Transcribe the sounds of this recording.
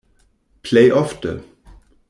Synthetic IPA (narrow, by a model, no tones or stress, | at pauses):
pʰleɪʔɔfd̪ə̰